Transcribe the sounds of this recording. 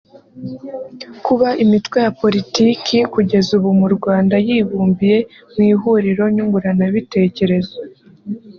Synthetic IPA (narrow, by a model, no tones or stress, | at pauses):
kuβaʔimitwe̞japo̞ɾitiːkikuɟe̞zuβumuɾɡwaːndajiːβuːmbije̞ | mwiːɦuɾiɾo̞ɲuŋɡuɾanaβite̞ːce̞ɾe̞zo